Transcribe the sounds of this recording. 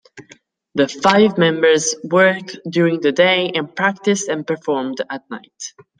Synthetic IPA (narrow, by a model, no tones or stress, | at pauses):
ðəfaɪvmɛ̃mbə˞zwɜ˞k̚djuɹɪ̃ŋðɨdeɪʔɨ̃npʰɹ̥æk̚tɪstɨ̃npə˞fɔɹmdət̚ⁿna̰ɪt